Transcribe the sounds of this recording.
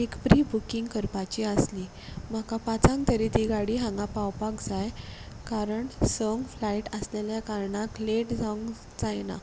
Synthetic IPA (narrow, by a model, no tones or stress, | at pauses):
ekpɾibukiŋɡkəɾpat͡ɕiəsli | m̤akapat͡sãŋɡ̚t̪əɾit̪iɡaɽiːɦãŋɡapawpakd͡zaj | kaɾəɳsəŋɡflaiʈəsleljakaɾɳakleʈd͡zaŋɡ | d͡zajna̰